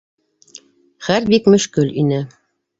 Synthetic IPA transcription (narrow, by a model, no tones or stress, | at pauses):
χæɾbikmɵ̆ʃkɘlinɘ